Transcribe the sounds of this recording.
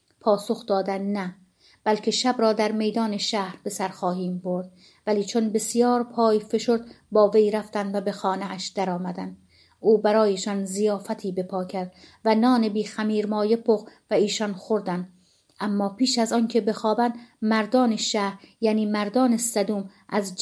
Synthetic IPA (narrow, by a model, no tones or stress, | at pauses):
pʰɒːso̞xd̪ɒːd̪ænnæ | b̥ælcʰe̞ʃæbɾɒːd̪æɾme̞jd̪ɒːneʃæhɾbe̞sæɾxɒːhiːmboɾd̪ | væliːt͡ʃʰonbe̞sijɒːɾpʰɒːjfe̞ʃoɾd̪ | bɒːvejɾæft̪ænd̪væbe̞xɒːneʔæʃd̪̥æɾɒːmæd̪ænd̪ | uːbæɾɒːjeʃɒnzijɒːfæt̪ʰiːbe̞pʰɒːcʰæɾd̪̥vænɒːnebiːxæmiːɾmɒːje̞pʰoχvæiːʃɒnxoɾd̪ænd̪ | ʔæmːɒːpiːʃæzɒncʰe̞be̞xɒːbænd̪mæɾd̪ɒːneʃæhɾjæːniːmæɾd̪ɒːnesæd̪uːmʔæzd͡ʒ